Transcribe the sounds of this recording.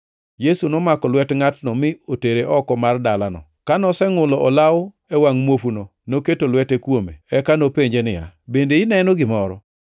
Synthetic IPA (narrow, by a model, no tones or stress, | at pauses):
jesunɔmakɔlwɛtŋatnɔmɪoteɾeʔɔkɔmardalanɔ̰kanɔsɛŋʊlɔʔɔlaʊ | ɛwaŋmwofunonoketolwɛtekwomḛɛkanopeɲd͡ʒenɪja̰bendeɪnɛnoɡɪmɔɾɔ